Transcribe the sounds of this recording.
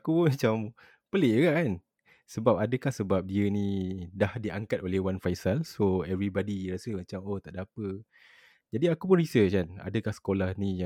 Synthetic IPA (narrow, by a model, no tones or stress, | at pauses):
akupʊnmat͡ʃam | pəleʔɡaʔkan | səbap̚adəkahsəbap̚diənĩdahdiʔaŋkat̪olehwanfajsalsoɛvɾibadiɾasəmat͡ʃamoht̪aʔdapə | d͡ʒadiakupʊnrisət͡ʃkana̰dəkahsə̥kolahnĩja